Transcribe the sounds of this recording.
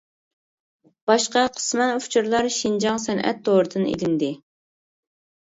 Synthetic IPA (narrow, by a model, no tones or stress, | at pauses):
b̥ɑʃqɑqʰə̥smɛnuft͡ʃʰuɾlˠɑɾʃind͡ʒɑŋsɛnʔɛ̰t̪ːoːɾɨd̪ɨnḛd̪ɪnd̪ɪ